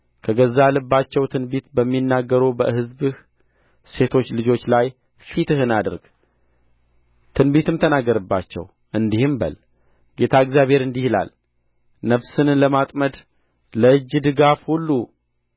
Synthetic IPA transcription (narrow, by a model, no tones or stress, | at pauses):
kʰəɡəzːaləbːat͡ʃːɛwt̪ʰɨnbit̪bəmːinːaɡːəɾubəhɨzbɨh | se̞t̪ʰo̞t͡ʃːlɨd͡ʒo̞t͡ʃːlaj | fit̪ɨɦɨnad̪ɨɾɡ̥ | t̪ʰɨnbit̪ɨmt̪ʰənaɡːəɾəbːa̰t͡ʃːɛ̰w | ʔɨnd̪ihɨmbə̰l | ɡe̞t̪ʰaɨɡzjaβhe̞ɾɨnd̪ihila̰l | nəβsɨnləmat̪ʼməd̪ | ləɨd͡ʒːd̪ɨɡafhulːu